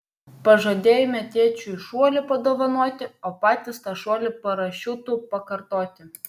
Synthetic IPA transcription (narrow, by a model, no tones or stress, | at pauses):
pɐʒɐd̪ʲeːjʊmʲɛt̪ʲiɛt͡ʃʲuɪʃuɔlʲɪpɐd̪oːʋɐnoɔt̪ʲɪoːpɑːt̪ʲɪst̪ɑʃuɔlʲɪpɐɾɐʃʲʊt̪uːpɐkɐɾt̪oːt̪ʲɪ